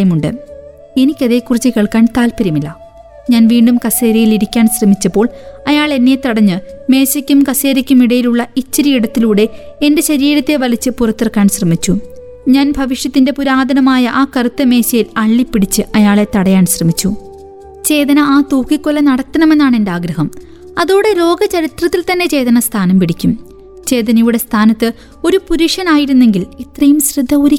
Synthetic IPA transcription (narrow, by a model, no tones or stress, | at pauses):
ɐjɐmuɳɖɨ̰ | e̞nikʲːɐðe̞ːkːurit͡ɕːɨkeɭkaːnt̪aːlpɐɾjɐmilːɐ | ɲaːnʋiːɳɖumkɐse̞ːɾɐjiliɾikʲːaːnsrɐmit͡ɕːɐpːo̞ːɭɐjaːɭe̞nːejet̪ɐɽɐɲːɨme̞ːsɐkʲːumkɐse̞ːɾɐkʲːumiɽɐjiluɭːɐit͡ɕːɐɾijiɽɐt̪ːiluːɽe̞ | ende̞ɕɐɾiːɾɐt̪ːe̞ʋɐlit͡ɕːɨpurɐt̪ːirɐkːaːnsrɐmit͡ɕːu | ɲaːnbʱɐʋiʂjɐt̪ːinde̞puɾaːd̪ɐnɐmaːjɐʔaːkɐrut̪ːɐme̞ːɕɐjilɐɭːipːiɽit͡ɕːɨʔɐjaːɭe̞t̪ɐɽɐjaːnɕrɐmit͡ɕːu | t͡ɕe̞ːðɐnɐaːt̪uːkːikːolɐnɐɽɐt̪ːɐnɐme̞nːaːɳe̞ndeaːɡɾɐɦɐm | ɐðuːɽe̞lo̞ːɡɐt͡ɕɐɾit̪rɐt̪ːilt̪ɐnːe̞t͡ɕe̞ːjðɐnɐst̪ʰaːnɐmpiɽikʲːum | t͡ɕe̞ːðɐnɐjuɽe̞st̪ʰaːnɐt̪ːɨ | o̞ɾupuɾiʂɐnaːjiɾunːe̞ŋɡilit̪rɐjumsrɨd̪ʱːɐuɾi